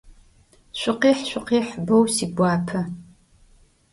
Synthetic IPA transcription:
ɕʷɪqiːħʃʷɪqiːħbɐwsiːɡʷɑːpʰɐ

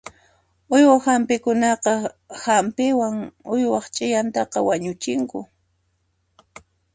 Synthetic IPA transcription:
ʊjwahampɪkʊnɑqɑhampɪwaŋʊjwɑχt͡ʃʼɪjant̪ɑqɑwaɲʊt͡ʃɪŋkʊ

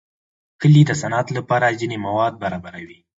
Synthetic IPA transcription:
kəlid̪əsanɑt̪lapɑɾazinemawɑd̪̚baɾɑbaɾawi

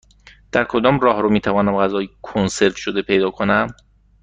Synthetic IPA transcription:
d̪̥æɾkʰo̞d̪ɒːmrɒːhɾomiːt̪ʰævɒːnæmɢæzɒːjikʰonse̞ɾt̪ʃod̪e̞pʰejd̪ɒːkʰonæm

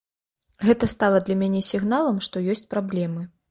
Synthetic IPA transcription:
ɣɛt̪ɐst̪alˠɐd̪lʲɐmʲanʲɛsʲiɣn̪alˠɐmʂt̪ɔjɔsʲt͡sʲpɾablʲɛmɨ

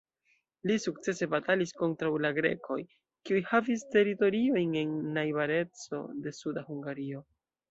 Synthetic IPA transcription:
lisuk̚t͡se̞se̞batalisko̞ntɾawlaɡɾe̞̰kʰo̞j | kiujhaviste̞ɾito̞ɾio̞jne̞nːajbaɾe̞t͡so̞̰de̞sudahuŋɡaɾio̞

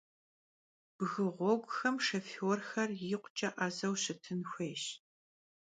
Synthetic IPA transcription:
b̥ɣɨʁʷɔɡʷxɐmʂɐfɪwɔrxɐrjiːqʷt͡ʃʼɐʔɐzɐwɕɪtʰɨnxʷeːʃ

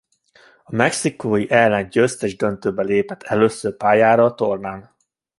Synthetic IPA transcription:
ɒmɛksikoːjiʔɛlːɛnɟøst̪ɛʒd̪ønt̪øːbɛleːpɛt̪ʰːɛløːsːøːrpaːjaːɾɒt̪o̞rnaːn

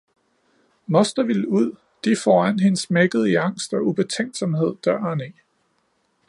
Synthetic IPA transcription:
mɒ̽sd̥ɐʋiluð̰ˠ | d̥ifɒːæn̰ɦe̝nsmeɡ̥əð̩ˠiɑ̈ŋ̰sd̥ɒ̽ub̥e̝t͡sʰeŋ̰d̥sɒ̽mhe̝ð̰ˠd̥ɶɐ̰ɑneː

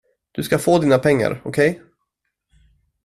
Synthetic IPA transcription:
d̪̥ɵskafoːd̪iːnapʰɛŋːa̰ɾɔkʰɛj

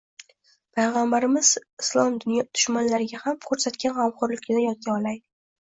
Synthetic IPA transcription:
pʰajʁambaɾɪmɪz̥ɪslˠɒmd̪ʊnjɒt̪ʰʊ̥ʃmanlaɾɪɡʲahamkʰɵɾsat̪kʲanhamqʊɾlɪkʲɪnɪjɒt̪̚kʲaɒlaj̪ɪ

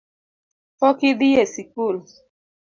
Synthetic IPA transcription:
fɔkɪdɪjesikul

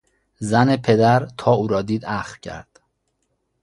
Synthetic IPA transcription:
zænepʰe̞d̪æɾt̪ʰɒːuːɾɒːd̪iːd̪æxfcʰæ̰ɾd̪̥

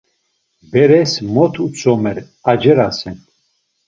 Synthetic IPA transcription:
bɛɾɛsmɔt̪ʰut͡sʰʼɔmɛɾ | ad͡ʒɛɾasɛn

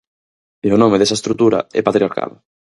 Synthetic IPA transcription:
elonomeðesaest̪ɾut̪uɾa̰ɛ̰pat̪ɾiaɾka̰l

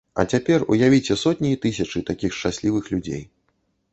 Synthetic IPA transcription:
ɐ̰t͡sʲapʲɛrṵjavʲit͡sʲɛsɔt̪ʲnʲiit̪ɨsʲɐt͡ʂɨt̪akʲixʂt͡ʂasʲlʲivɨxlʲud͡zʲḛj

